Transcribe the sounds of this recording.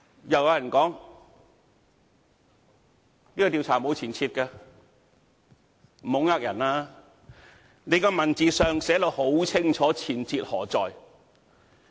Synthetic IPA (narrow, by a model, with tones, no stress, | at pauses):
jɐ˨˩wjaː˨˧jɐ˨˩nkɔː˨˥ŋ | liː˥kɔ˧t̪i˧wt͡sʰaː˨˩m˨o˨˧wt͡sʰiː˨˩nt͡sʰiː˧t̚kɛ˧ | m̩˨˩ho˨˧wŋaː˧k̚jɐ˨˩naː˧ | ne˨˧jkɔ˧mɐ˨˩nt͡siː˨˧sœː˨ŋsɛː˨˥lo˨˧who˨˥wt͡sʰɪ˥ŋt͡ʃʰɔː˨˥t͡sʰiː˨˩nt͡sʰiː˧t̚hɔː˨˩t͡sɔː˨j